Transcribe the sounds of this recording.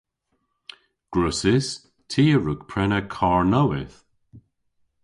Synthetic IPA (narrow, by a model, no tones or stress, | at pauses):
ɡ̥ɹʊsɪs | tʰiːəɹʊkpʰɹɛnəkʰaɹnowɪθ